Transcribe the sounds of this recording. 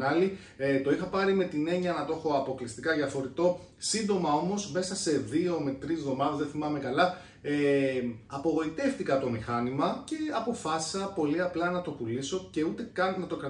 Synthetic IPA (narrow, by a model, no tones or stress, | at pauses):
nɐli | t̪o̞ixɐpɐɾime̞t̪ine̞ɲɐnɐt̪o̞xo̞ɐpo̞klist̪ikɐðɐfo̞ɾit̪o̞ | sind̪o̞mɐo̞mo̞zmesɐse̞ðio̞me̞t̪ɾizðo̞mɐðezðeθimɐme̞kɐlɐ | e | ɐpo̞ɣo̞it̪e̞ft̪ikɐt̪o̞mixɐnimɐce̞ɐpo̞fɐsi̥sɐpo̞liɐplɐnɐt̪o̞puliso̞ce̞ut̪e̞kɐnnːɐt̪okɾɐ